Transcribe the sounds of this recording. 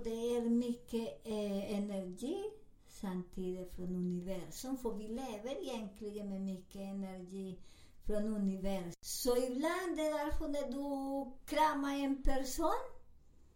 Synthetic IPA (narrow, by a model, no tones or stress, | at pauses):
d̪ɛæɾmʏkːəɛnæɾɡiː | samt̪ʰiːd̪ɪfɾɔnʉnɪʋæɾsʊmfɔɾʋɪleːʋəɾɪjɛŋt̪ʰlɪɡəmɛmykːəɛnæɾɡiː | fɾɔnʉnɪʋæɾsɔɪbland̪ɛd̪æɾfɔnɛd̪ʉkʰɾɑːmaɛnpʰæɾsuːn